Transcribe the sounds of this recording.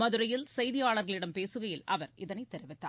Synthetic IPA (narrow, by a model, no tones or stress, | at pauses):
mɐðɯɾɐjɪlsɐjðɪjaːɭɐɾɣɐɭɪɽɐmpeːsɯɣɐjɪlʔɐʋɐɾɪðɐnɐɪt̪ːɛɾɪʋɪt̪ːa̰ː